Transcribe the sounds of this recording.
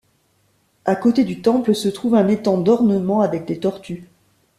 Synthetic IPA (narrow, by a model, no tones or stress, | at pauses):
akot̪ed̪yt̪ɑ̃pləsət̪χuvɛ̃net̪ɑ̃d̪ɔʁnəmɑ̃avɛk̚d̪et̪ɔʁt̪y